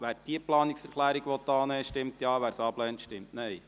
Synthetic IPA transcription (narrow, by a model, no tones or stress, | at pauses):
ʋæːɾd̥iəplɑːnɪksɛɾχlæːɾiɡʋɔt̪ːɑːnɛːʃtɪmt̪jɑːʋæːɾsɑːblɛːnt̪ʃtɪmtnɛj